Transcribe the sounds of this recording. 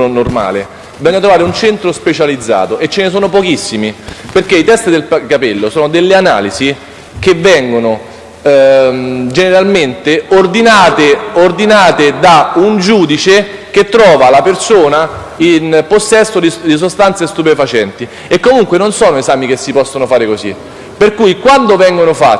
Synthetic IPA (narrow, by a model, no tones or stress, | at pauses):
onorma̰ːle | bizɔɲːat̪ɾovaːɾeunt͡ʃɛnt̪ɾospet͡ʃalid̪zːa̰ːt̪oʔet͡ʃːenes̬oːnopɔkisːimiperkeit̪ɛst̪id̪elkapɛlːosoːnod̪elːeana̰ːlizi | kevːɛŋɡono | d͡ʒeneɾalment̪eord̪inaːt̪eord̪inaːt̪ed̪aund͡ʒuːd̪it͡ʃek̟et̪ːɾɔːvalapersoːna | inposːɛsːod̪id̪is̬ost̪ant̪sest̪upefat͡ʃɛnt̪i | ekːomuŋkwenonsɔːnoezaːmik̟esːipɔsːonofaːɾekosḭ | perkuːjkwand̪ovɛŋɡonofa